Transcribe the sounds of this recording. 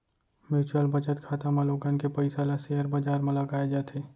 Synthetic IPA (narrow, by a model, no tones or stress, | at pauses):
mjuːt͡ʃuəlbɐd͡ʒət̪kʰaːt̪amãloːɡənkepɐɪsaːlaseəɾbaːd͡ʒaːɾmɐ̃laɡaːed͡ʒaːt̪ʰeː